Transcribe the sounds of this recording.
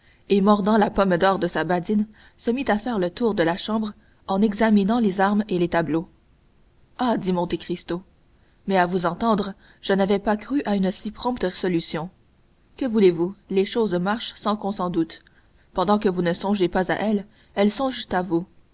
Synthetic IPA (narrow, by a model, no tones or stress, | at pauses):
emɔʁd̪ɑ̃lapɔmd̪ɔːʁd̪əsabad̪in | səmit̪afɛʁlət̪uːʁd̪əlaʃɑ̃bʁ | ɑ̃nɛɡzaminɑ̃lezaʁmelet̪ablo | ad̪imɔ̃t̪ekχist̪o | mɛavuzɑ̃t̪ɑ̃d̪ʁ | ʒ̥ənavɛpakʁyʔaynəsipχɔ̃pt̪əʁez̥ɔlysjɔ̃ | kəvulevuleʃoːzmaʁʃsɑ̃kɔ̃sɑ̃d̪ut̪ | pɑ̃d̪ɑ̃kəvunəsɔ̃ʒepaza̰ʔɛl | ɛlsɔ̃ʒt̪avu